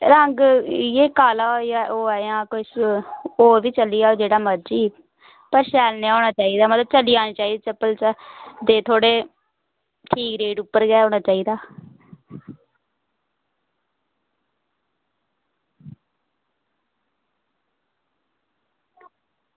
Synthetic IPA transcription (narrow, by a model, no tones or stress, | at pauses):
ɾəŋɡjeːkaːlaːojaoːãːkʊʃ | oːʋiːt͡ʃəliːaːd͡ʒeːɽaːməd͡ʒiː | pəɾʃɛːlneaːɦoːnaːt͡ʃaːiːd̪aːmət̪ləbt͡ʃəliːaːniːt͡ʃaːiːd̪iːt͡ʃəpːəlt͡ʃːd̪eːt̪ʰoːɽeː | ʈʰiːkɾeːʈʊpːəɾɡɛːɦoːnaːt͡ʃaːiːd̪aː